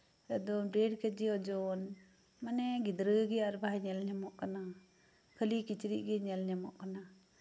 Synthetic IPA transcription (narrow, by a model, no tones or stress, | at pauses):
ɛd̪ɔbɾɛɖkɛd͡ʒɛɔd͡ʒɔn | manɛɡid̪ɾəɡɛaɾbʱajɲɛlɲamɔʔkana | kʰəlikit͡ʃɾiʔ̚ɡɛɲɛlɲamɔʔkana